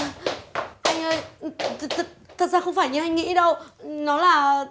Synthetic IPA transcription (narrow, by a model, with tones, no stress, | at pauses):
ʔa˧jŋ̟ʔəː˧jt̪ʰt̪ʰə˨˩t̚zaː˧xə˧wŋ͡mfaː˧˩jɲɨ˧ʔa˧jŋ̟ŋḭ˧˥ɗə˧wnɔ˨˦laː˨˩